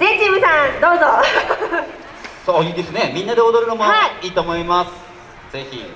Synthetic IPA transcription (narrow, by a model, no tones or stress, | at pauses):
zet͡ɕibɯ̟sãnd̪o̞ːzo | soːjɯ̟ːd̪e̞sɨne̞mʲĩnːad̪e̞od̪oɾɯ̟no̞moiːt̪o̞ːmo̞imasɨ̥ | d͡ze̞çḭ